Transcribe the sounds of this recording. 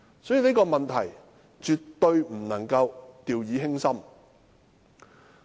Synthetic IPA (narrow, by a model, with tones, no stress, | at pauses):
sɔ˨˥jiː˨˩ni˥kɔː˧mɐ˨nt̪ʰɐ˨˩j | t͡ʃyː˨t̪ːɵ˧ɥm̩˨˩nɐ˨˩ŋkɐ˧wt̪iː˨wjiː˨˧˥ɦɪ˥ŋsɐ˥m